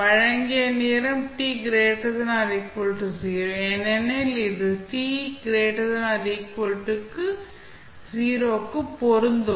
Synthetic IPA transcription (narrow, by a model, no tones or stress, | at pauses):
ɐɻɐŋɡɪɐniːɾɐmʈiːɡɪɾeːʈɐðɯnãːɾiːkpolʈːɯsiːɾoːɛnɛnɛlɪðɯʈiːɡɪɾeːʈɐðɯnãːɾiːkːolʈːɯkːɯ | siːɾoːkːɯpɔɾɯnd̪ɯ